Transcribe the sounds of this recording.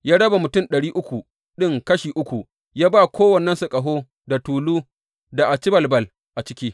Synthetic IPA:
jaː˦ɽɐ˦ba˨mʊ˨tʊ˦˨nɗɐ˨ɽiː˦ʔʊ˦kʷu˨ | ɗɪ˦ŋkɐ˦ʃiː˨ʔʊ˦kʷu˨ | jaː˦baː˦kʷʰoː˦wɐ˨nːɛ˦nsʊ˨kʼɐ˨ɦoː˦ | da˨tuː˨luː˦ | da˨ʔa˨t͡ʃɪ˦bɐ˨lbɐ˦˨l | ʔa˨t͡ʃɪ˦kʲiː˦

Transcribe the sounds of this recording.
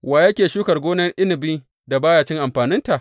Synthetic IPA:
waː˨jɐ˦kʲeː˨ʃuː˦kɐ˨rɡʷoː˦nɐ˦rʔɪ˦nɪ˨biː˦ | da˨baː˦jaː˨t͡ʃɪ˦ŋʔa˨mɸaː˨nɪ˦nta˨ʔ

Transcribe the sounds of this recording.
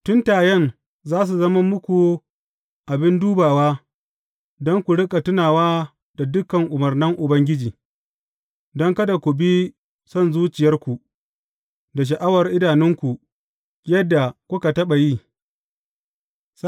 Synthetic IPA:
tʊ˦ntaː˨jɛ˦n | zaː˦s̬u˨zɐ˦ma˦mʊ˦kʷu˨ | ʔa˨bɪ˦nduː˦baː˨waː˦ | dɔ˦ŋkʷu˨ɽɪ˦kʼa˨tʊ˦naː˨waː˦ | da˨dʊ˦kɐ˨ŋʔʊ˨mɐ˨rnɐ˦ŋʔʊ˨bɐ˦ŋɡʲɪ˦d͡ʒiː˨ | dɔ˦ŋkɐ˦da˨kʷu˨bi˦ | sɔ˦˨nzuː˦t͡ʃɪ˨jɐ˦rkʷu˨ | da˨ʃ̬ɐ˨ʔa˦wɐ˨rʔɪ˦daː˨nɪ˦ŋkʷu˨ | jɐ˦dːa˨kʷʊ˦ka˨tɐ˦ɓa˨ji˦ | s

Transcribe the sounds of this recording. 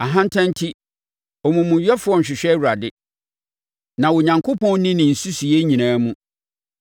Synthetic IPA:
a˨ɦã˦n˦tʰã˦n˦tʰi˦ | ɔ˨mũ˨mũ˨ɥɛ˦fʊ˨˦ɔ˦ɲ̩˨ɕᶣɪ˨ɕᶣɛ˦wu˨ɾa˨dɪ˦ | nã˨wo˨ɲã˨ŋkʰo˦pɔ̃˦n˦nĩ˦nɪ̃˨n̩˨su˦si˨jɛ˦ɲĩ˨nãː˦mũ˦

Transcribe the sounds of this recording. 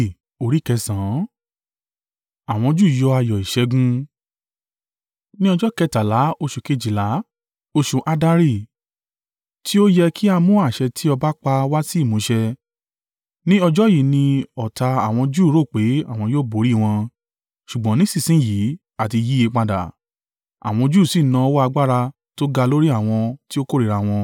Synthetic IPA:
o˨ɾi˨˦˨kɛ˧sã˨˦ | a˨w̃ɔ̃˧d͡ʒu˦˨jɔ˧a˧jɔ˨i˨ʃɛ˧ɡũ˧˦ | nĩ˦ɔ˧d͡ʒɔ˦kɛ˧˨ta˨la˨˦o˧ʃu˨ke˧d͡ʒi˨la˨˦ | o˧ʃu˨ʔa˧da˧ɾi˦˨ | tʰi˦o˦jɛ˧kʰi˦a˧mũ˦a˦˨ʃɛ˧tʰi˦ɔ˧ba˦k͡pa˧wa˦si˦i˦˨mũ˨˦ʃɛ˧ | nĩ˦ɔ˧d͡ʒɔ˦ji˨˦nĩ˧ɔ˨ta˧a˨w̃ɔ̃˧d͡ʒuː˦˨˦ɾo˦˨k͡pe˨˦a˦˨w̃ɔ̃˧jo˦bo˨˦ɾi˦˨w̃ɔ̃˧ | ʃu˨ɡ͡bɔ̃˨˦nĩ˦si˦˨sĩ˦˨ji˨˦ | a˦˨ti˧ji˨˦e˧k͡pa˧da̰˨ | a̰˨w̃ɔ̃˧d͡ʒu˦˨si˦˨nã˧˦wɔ˦a˧ɡ͡ba˦ɾa˧ | to˦ɡa˧lo˦ɾi˦a˦˨w̃ɔ̃˧ti˦o˦ko˦ɾi˨ɾa˧w̃ɔ̃˧

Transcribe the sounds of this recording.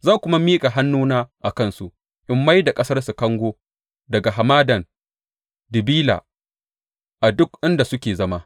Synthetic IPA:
zɐ˦ŋkʷʊ˦ma˦miː˦kʼa˨ɦa˦nːuː˦naː˦ʔa˨kɐ˦˨nsu˨ʔ | ʔɪ˦mːa˦jda˨kʼɐ˦sɐ˦rsu˨kɐ˦ŋɡʷoː˦ | dɐ˨ɡa˨ɦa˨maː˦dɐ˨n | dɪ˨biː˦la̰˨ | ʔa˨dʊ˦kʔɪ˦nda˨sʊ˦kʲeː˨zɐ˦ma˦

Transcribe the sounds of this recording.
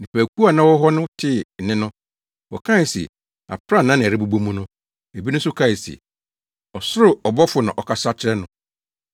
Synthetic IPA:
nɪ̃˨pʰæː˨kʰu˦a˨nã˦wɔ˦ɦɔ˦nʊ̃˦tʰɪ˦˨nɪ̃˦nʊ̃˦ | wɔ̰˨kʰã˦˨sɛ̰˨ | a̰˨pʰɾa˦nã˦nɪ̃˨ɾɪ˦bu˦bu˦mũ˦nʊ̃˦ | e˨bi˦nʊ̃˦sʊ˦kʰã˦˨sḛ˨ | ɔ˨sʊ˦ɾʊ˨ɔ˨bɔ˦fʊ˨nã̰˨ʔɔ˨kʰa˨sa˦t͡ɕʰɾɛ˦nʊ̃˨˦

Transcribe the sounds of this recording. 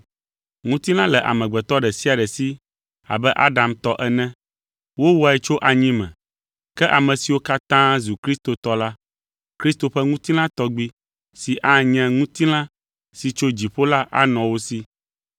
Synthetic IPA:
ŋũ˦t̪i˦lã˦lɛ˨ʔa̰˨mɛ̃˨ɡ͡bɛ˨t̪ɔ˦ɖɛ˨si˦a˨ɖɛ˨si˦ | a̰˨bɛ˦ʔa˦ɖa˨mt̪ɔ˦ʔɛ˨nɛ̃˦ | wo˦wu˦a˨ɛ˦t͡ʃo˦ʔa˨ɲĩ˦mɛ̰̃˨ | kɛ˦ʔa˨mɛ̃˨si˨wo˦ka˦t̪ã˦zu˨kɾi˦st̪o˨t̪ɔ˦la˦ | kɾi˦st̪o˨ɸɛ˦ŋũ˦t̪i˦lã˦t̪ɔ˦ɡ͡bi˦ | si˨ʔa˦ɲɛ̃˦ŋũ˦t̪i˦lã˦ | si˨t͡ʃo˦d͡ʑi˨ɸo˦la˦ʔa̰˦nɔ̃˨wo˦si˦

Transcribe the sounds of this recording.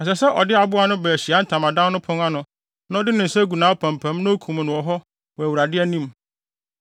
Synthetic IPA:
ɛ˨s̬ɛ˨sɛ˦ʔɔ˨dɪ˦a˨bʊ˦a˨nʊ̃˦bɛ˨ɕi˨a˨˦n̩˦tʰã˨mã˨dã˦nnʊ̃˦pʰʊ̃˦ŋa˦nʊ̃˨ | nã˦ɔ˦dɪ˦nʊ̃˨n̩˨sɛ˦ɡu˨nãː˨˦ɔ˦pʰæ̃˨mpʰæ̃˨˦mnʊ̃˦o˦kʰũ˨m˨nʊ̃˨ɔ˨ɦɔ˦ | wɔ˨æ˨wu˨ɾa˨dɪ˦æ˦nĩ˦m

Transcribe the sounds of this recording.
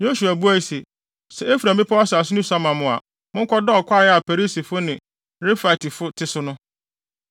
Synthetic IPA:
jo˦ɕu˨æ˨bu˦æ˦i˨se˨ | sɛ˨e˦fu˨ɾæ̃˨m˨bi˦pʰa˦a˦sa˨sʊ˦nʊ̃˦sa˦mã˨mʊ̃˨a̰˨ | mʊ̃˦ŋ̩˦kʰɔ˦dɔ˦ɔ˨kʷʰa˦˨jɛ˦a˨pʰɛ˨ɾi˦si˨fʊ˦nɪ̃˨ | ɾe˦fa˨tʰi˨fʊ˦tʰɪ˦sʊ˦nʊ̃˦

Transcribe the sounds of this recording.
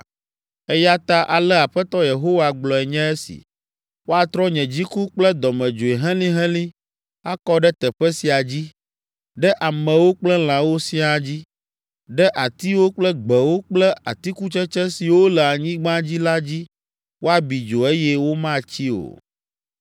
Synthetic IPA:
ɛ˦ja˦t̪a˦ʔa˨lɛ˦a˨ɸɛ˦t̪ɔ˦je˨ɦo˦wa˨ɡ͡blɔ˨ɛ˨ɲɛ̃˦ɛ˦sḭ˨ | wo˦a˨t̪ɾɔ˦ɲɛ̃˨d͡ʑi˦ku˦k͡plɛ˦d̪ɔ˨mɛ̃˨d͡ʒo˨e˨ɦɛ̃˦lĩ˦ɦɛ̃˦lĩ˦ | a˦kɔ˦ɖɛ˦t̪ɛ˨ɸɛ˦si˨a˨d͡ʑi˦ | ɖɛ˦ʔa˨mɛ̃˨wo˦k͡plɛ˦l̃ã˨wo˦sĩ˦a˨d͡ʑi˦ | ɖɛ˦ʔa˨t̪i˦wo˦k͡plɛ˦ɡ͡bɛ˨wo˦k͡plɛ˦ʔa˨t̪i˦ku˦t͡ʃɛ˦t͡ʃɛ˦si˨wo˦lɛ˨a˨ɲĩ˦ɡ͡bã˦d͡ʑi˦la˦d͡ʑi˦ | wʔo˦a˨bi˨d͡ʒo˨e˦jɛ˦wo˦mã˦t͡ɕi˦o̰˨

